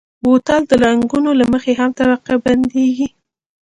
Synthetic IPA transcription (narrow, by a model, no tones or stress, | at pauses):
bot̪ald̪əlaŋɡunolaməxeɦamt̪abaqaband̪eɡi